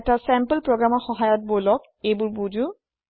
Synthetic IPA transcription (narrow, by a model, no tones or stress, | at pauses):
tasɛmpəlpɹɔɡɹamɔɹxɔɦajɔt̚bolɔk̚ | ejbʊɹbudu